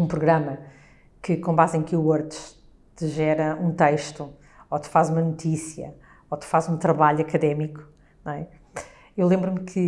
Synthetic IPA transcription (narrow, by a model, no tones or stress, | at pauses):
ũpɾuɣɾɐmɐ | kɨkõmbazẽj̃kuwoɾt̪ʃ | t̪ɨʒɛɾɐũt̪ɐjʃt̪u | ot̪ɨ̥fazumɐnut̪isjɐ̰ | ot̪ɨ̥fazũt̪ɾɐβaʎuɐkɐðɛmiku̥ | ñw̃ɛ | ewlˠẽmbɾumkʰɨ